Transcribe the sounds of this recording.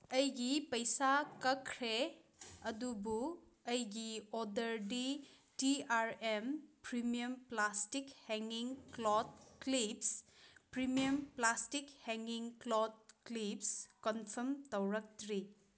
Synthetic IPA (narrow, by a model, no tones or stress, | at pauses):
ɐjɡipɐjsakɐkʰɾe | ɐdubu | ɐjɡiodɐɾdi | tiaɾempɾimijɐmplastikhɛŋiŋklɔt̚klipspɾimijɐmplastikhɛŋɡiŋklɔt̚klipskɔnpʰɐɾmtɐwɾɐk̚tɾi